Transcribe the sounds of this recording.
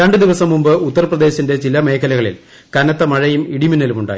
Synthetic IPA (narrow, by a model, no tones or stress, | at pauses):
ɾɐɳɖɨd̪iʋɐsɐmːumbɨut̪ːɐrprɐd̪e̞ːɕɐnde̞t͡ɕilɐmeːkʰːɐlɐɣɐɭḭl | kɐnɐt̪ːɐmɐɻɐjumiɽiminɐlumuɳɖa̰ːj